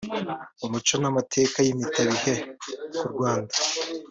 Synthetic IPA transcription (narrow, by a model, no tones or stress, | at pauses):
umut͡ʃonamatʰe̞ːkajimitaβihekuɾɡwaːndḁ